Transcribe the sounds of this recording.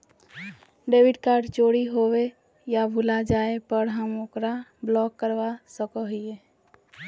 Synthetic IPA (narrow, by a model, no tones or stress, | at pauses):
ɖebiɖkaɾɖt͡ʃoɽiɦowe | jabʱulad͡ʒaepəɾɦəmokɾablɔkːəɾbasəkəɦije